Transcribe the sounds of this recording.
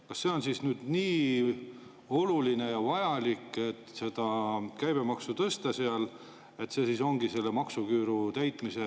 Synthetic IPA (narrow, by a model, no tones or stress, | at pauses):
kɑsːe̞o̞nsisnyːd̪̥niː | o̞luline̞jɑvɑjɑlikːˑe̞t̪ːse̞d̪̥ɑkæjb̥e̞mɑksut̪ɤst̪ɑseɑl | e̞t̪ːˑse̞siso̞ŋɡise̞lːemɑksukyːɾut̪æjt̪ˑmise̞